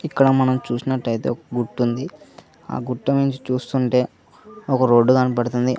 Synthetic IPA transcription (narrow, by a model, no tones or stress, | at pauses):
ikːɐɽɐmɐnɐmt͡ʃuːsinɐʈːɐjt̪e̞̰ːɔkɐɡuʈːund̪i | a̰ːɡuʈːumiɲt͡ʃi̥t͡ʃuːst̪uɳʈe̞ː | ɔkɐɾo̞ːɖːukɐnipɐɽɐt̪und̪i